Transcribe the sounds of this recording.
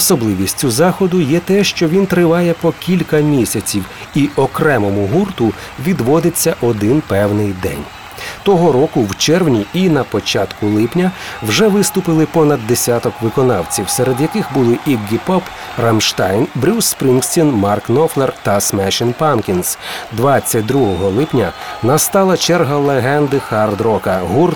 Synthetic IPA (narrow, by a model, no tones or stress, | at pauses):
ɔsɔblˠɪʋʲisʲtʲʊzɑxɔd̪ʊjɛt̪ɛʃt͡ʃɔʋʲint̪ɾɪʋɑjɛpɔkʲilʲkɐmʲisʲɐt͡sʲiw | iʔɔkɾɛmɔmʊɦurt̪ʊ | ʋʲid̪ʋɔd̪ɪt͡sʲːɐʔɔd̪ɪnpɛwnɪjd̪ɛ̰nʲ | t̪ɔɦɔɾɔkʊwt͡ʃɛrwnʲiinɐpɔt͡ʃɑt̪kʊlˠɪpnʲɐwʒɛʋɪst̪ʊpɪlˠɪpɔnɐd̪̚ːesʲat̪ɔkʋɪkɔnɑwt͡sʲiwsɛɾed̪jɐkɪxbʊlˠɪʔiɡɡʲipɔp | rɐmʃt̪ɑjnbɾʲuspɾʲinksʲtʲinmɑrknɔflˠert̪ɐsmɛʃɪnpɑnkʲinsd̪ʋɑt͡sʲːɐt̚ʲd̪ɾuɦɔɦɔlˠɪpnʲɐnɐst̪ɑlˠɐt͡ʃɛrɦɐlˠeɦɛnd̪ɪxɐrd̪ɾɔkɐɦur